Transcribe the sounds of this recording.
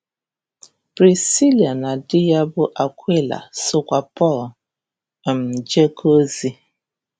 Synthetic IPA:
b̥ɾi˨si˦li˨a˨na˨dɪ˦ja˦bʊ˦ʔa˨kʷi˦la̰˨sʊ˦kʷa˨pɔ˦˨l | m̩˨d͡ʒe˦ko˦zi˦

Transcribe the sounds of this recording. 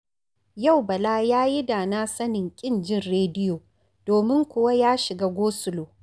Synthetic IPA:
ja˦˨wbɐ˨laː˦jaː˦ji˦daː˨naː˦sɐ˦nɪ˨ŋkʲʼɪ˦˨nd͡ʒɪ˦nɾeː˦dɪ˦joː˨ | d̥oː˨mɪ˦ŋkʷʊ˨wa˦jaː˦ʃɪ˨ɡaː˦ɡʷoː˦sʊ˦loː˨

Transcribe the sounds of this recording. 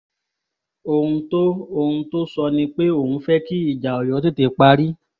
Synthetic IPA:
o˧hũ˧to˦o˧hũ˧to˦sɔ˧nĩ˧k͡pe˦o˦˨hũ˧˦fɛ˦ki˦i˦˨d͡ʒa˨ɔ˨jɔ˨˦te˦te˧k͡pa˧ɾi˦

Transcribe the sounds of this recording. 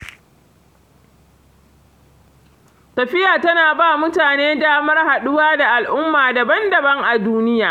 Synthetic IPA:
tɐ˨ɸɪ˦jaː˨tɐ˦naː˨baː˦mʊ˦taː˨neː˦daː˦mɐ˦rha˨ɗʊ˦waː˦da˨ʔa˨lʔʊ˦mːaː˨dɐ˨bɐ˦ndɐ˨bɐ˦ŋʔa˨duː˦nɪ˦jaː˨

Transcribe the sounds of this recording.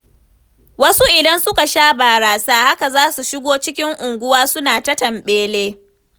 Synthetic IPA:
wɐ˦su˦ʔɪ˨dɐ˦nsʊ˦ka˨ʃaː˦baː˨ɽaː˨saː˦ha˦ka˨zaː˦su˨ʃɪ˦ɡʷoː˦t͡ʃɪ˦kʲɪ˦ŋʔʊ˨ŋɡʷʊ˦waː˦sʊ˦naː˨tɐ˦tɐ˨mɓeː˦leː˦

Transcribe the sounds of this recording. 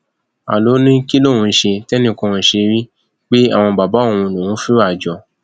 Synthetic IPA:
a̰˨lo˨˦nĩ˦ki˦lo˦˨wũ˧˦ʃe˧tɛ˦nĩ˦˨kɔ̃˦˧ũ˧˦ʃe˧ɾi˦ | k͡pe˦a̰˦˨w̃ɔ̃˧ba˨ba˨˦õ˦˧ũ˧˨nũ˨wũ˦fi˦a˦˨d͡ʒɔ˨

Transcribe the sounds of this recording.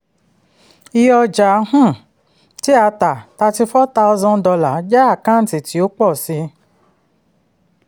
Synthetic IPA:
i˧jɔ˧d͡ʒa˨˦hũ˦˨ | ti˨˦a˧ta˨ta˧ti˧fɔ˦ta˧u˧˦zɔ̃˧˦dɔ˧la˨˦d͡ʒa˦a˦˨kã˦n̩˨ti˨ti˨˦o˦k͡pɔ˦˨si˧

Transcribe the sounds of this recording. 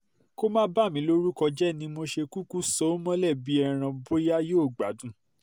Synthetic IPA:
ko˦mãː˦ba˦˨mĩ˨˦lo˦ɾu˦kɔ˧d͡ʒɛ˦˨nĩ˧mo˧ʃe˧ku˦ku˦sɔ˦mɔ̃˦lɛ˦˨bi˨˦ɛ˦˧ɾ̃ã˧bo˦ja˦joː˦˨ɡ͡ba˨dũ˦

